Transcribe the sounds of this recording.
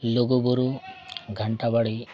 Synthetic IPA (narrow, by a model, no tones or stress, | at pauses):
loɡubuɾuɡʱəɳʈabaɽi